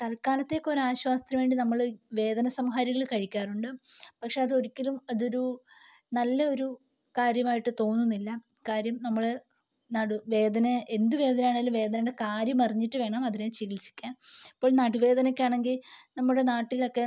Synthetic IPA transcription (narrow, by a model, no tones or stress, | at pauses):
t̪ɐlkaːlɐt̪ːe̞ːkːo̞ːɾeaːɕʋaːst̪rɐmʋeːɳɖinɐmːɐɭʋe̞ːd̪ɐnɐsɐmɦaːɾiɣɐɭkɐɻikʲːaːruɳɖɨpɐkʂe̞ɐðɨo̞ɾikʲːɐlumɐðo̞ɾu | nɐlːɐo̞ɾu | kaːɾjɐmaːjiʈːɨt̪o̞ːnːunːilːɐ | kaːɾjɐmnɐmːɐɭe | nɐɽuʋe̞ːd̪ɐnɐʔend̪uʋe̞ːd̪ɐnɐjaːɳeŋɡilumʋe̞ːd̪ɐnɐɽe̞kaːɾjɐmɐriɲːiʈːɨʋe̞ːɳɐmɐðinet͡ɕiɣilsi̥kʲːaːnipːo̞ːɭnɐɽuʋe̞ːd̪ɐnɐkʲːaːɳe̞ŋɡilnɐmːuɽe̞naːʈːilo̞kːe̞